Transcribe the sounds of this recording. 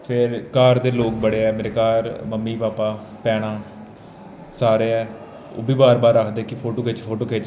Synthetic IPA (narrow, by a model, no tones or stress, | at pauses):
pʰɪɾkaːɾd̪eːloːk̚bəɽeːɛːmeːɾeːkaːɾməmːiːpaːpaː | pɛːɽ̃ãː | saːɾeːɛː | o̰ːbʱiːbaːɾbaːɾakʰd̪eːkɪpʰoːʈoːkʰeːt͡ʃpʰoːʈoːkeːt͡ʃ